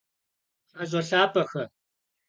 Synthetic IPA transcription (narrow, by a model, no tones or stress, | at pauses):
aʑʷʼɐɬaːpʰʼɐxɐ